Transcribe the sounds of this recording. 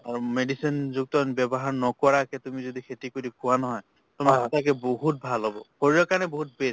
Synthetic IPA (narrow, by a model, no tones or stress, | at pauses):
aɹumedisinzuk̚tɔnbɛbɔɦaɹnɔkɔɹakɛtumizodikʰetikoɹikʰʊwanɔɦɔj | tɔmasitakɛboɦut̚bʱalɦɔbɔ̰hoɹijɔkaɹnɛboɦut̚bes